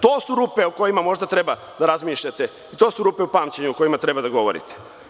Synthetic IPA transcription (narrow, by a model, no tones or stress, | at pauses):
t̪o̞ːsuɾuːpeoko̞jimamo̞ʒd̪at̪ɾe̞ba | d̪aɾazmiːʃʎat̪e | it̪o̞ːsuɾupe̞upaːmt͡ɕeɲuoko̞jimat̪ɾebad̪aɡo̞ʋoɾḭt̪e̥